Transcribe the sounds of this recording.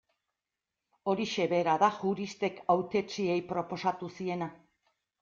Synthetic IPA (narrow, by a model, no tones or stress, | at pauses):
o̞ɾiʃe̞βe̞ɾaðaʝuɾist̪e̞kawt̪e̞t͡sie̞jpɾo̞po̞sat̪usie̞na